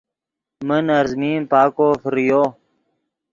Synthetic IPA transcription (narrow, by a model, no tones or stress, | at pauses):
mənəɾzmiːmpaːkoːfəɾijoː